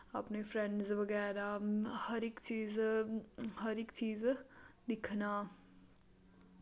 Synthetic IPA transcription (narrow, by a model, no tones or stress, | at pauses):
ɐ̰pnefɾɛ̃ɳɖzʋɐɣɛːɾahɐɾɪkt͡ʃiːz | ɦɐɾɪkt͡ʃiːzd̪ɪkʰna